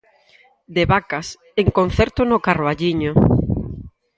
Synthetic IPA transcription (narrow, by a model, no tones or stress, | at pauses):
d̪eβakas | eŋkon̟θɛɾt̪ʊnokaroaʎiɲo